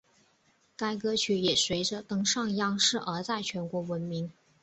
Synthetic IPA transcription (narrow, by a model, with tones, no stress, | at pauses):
ka˥ɪkɤ˥t͡ɕʰy˧˥jɛ˨˩swe˧˥ɪʈ͡ʂə˧t̪ɤ˥ŋʂɑ˥˧ŋjɑ˥ŋʂɻ̩˥˩ʔə˞˧˥t͡sa˥˩ɪt͡ɕʰɥɛ˧˥nkwɔ˧˥wə˧˥nmi˧˥ŋ